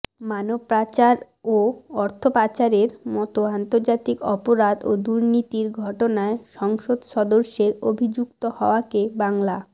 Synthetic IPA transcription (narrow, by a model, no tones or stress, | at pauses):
manobpːɾat͡ɕaɾ | oɔɾt̪ʰopat͡ɕaɾeɾmɔt̪oant̪oɾd͡ʑat̪ikɔpoɾad̪od̪uɾnit̪iɾɡʱɔʈonaeʃɔŋʃod̪ʃɔd̪oɾʃeɾobʱid͡ʑukt̪ohɔoakebaŋla